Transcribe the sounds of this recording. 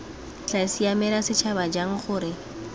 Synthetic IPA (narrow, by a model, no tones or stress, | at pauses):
t͡ɬasiamɛlasɪt͡ʃʰabad͡ʒaŋ̩χʊːɾɪ